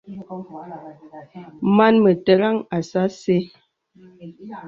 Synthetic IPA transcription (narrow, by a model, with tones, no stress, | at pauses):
ma˦nmə˨tə˦˨ɾa˦ŋa˨sa˦se˦